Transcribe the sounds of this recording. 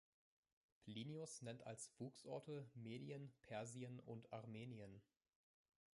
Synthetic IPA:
pʰliːniʊsnɛnta̰lsv̥uːksʔɔɐtʰəmeːɾiənpʰɛɐziənʊntʰaʁmeːniən

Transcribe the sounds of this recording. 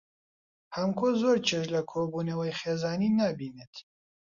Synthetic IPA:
hɐmkʰozoːɾt͡ʃʰeʃ̬lɐkʰoːbuːnɐwɐjχeːzaːniːnaːbiːnet̪

